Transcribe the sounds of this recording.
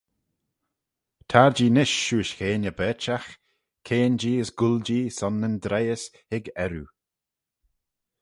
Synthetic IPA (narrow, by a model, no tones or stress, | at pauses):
t̪ʰaɹd͡ʒiːnɪʃːuːʃxeːnəbɛːt͡ʃax | kʰeːnd͡ʒiːəsɡʊld͡ʒiːsɔnːənd̪ɾɛjəs | hɪɡɛɾṵ